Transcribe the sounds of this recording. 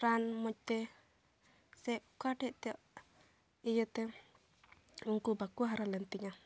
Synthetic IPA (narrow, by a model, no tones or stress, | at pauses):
ɾanmɔc̚t̪ɛ | sɛʔkaʈɛʔt̪ɛjɔʔ | ijət̪ɛ | uŋkubakuɦaɾalɛnt̪iŋa